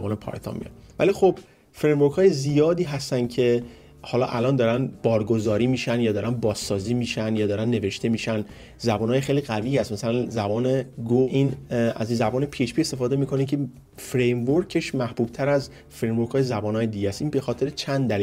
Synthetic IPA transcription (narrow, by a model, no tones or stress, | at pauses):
bɒːnepʰɒ̰ːɾt̪ʰɒ̰mḭjɒ̰nvæ̰lixob̥ | fɾejmvoɾkʰhɒːjezijɒːd̪iːɦæst̪ænd̪cʰe̞ | hɒːlɒ̰ːʔælɒːnd̪ɒːɾænb̥ɒːɾɡozɒːɾiːmiːʃænjɒːd̪ɒːɾænbɒːzsɒːziːmiːʃænd̪jɒːd̪ɒːɾænːe̞ve̞ʃt̪e̞miːʃæn | zæbɒːnːjexejliɣæviːæst̪mæsælænzæbɒːneɡuʔinæ̰zzæbɒːnepʰieʃpiːe̞st̪e̞fɒːd̪e̞miːkʰo̞nicʰe | fɾejmvoɾcʰeʃmæhb̥uːb̥̚t̪ʰæɾæz | fɾejmvoɾkʰɒːjezæbɒːnɒːjed̪iɟææst̪ʔinbe̞xɒːt̪ʰe̞ɾet͡ʃʰænd̪d̪æliː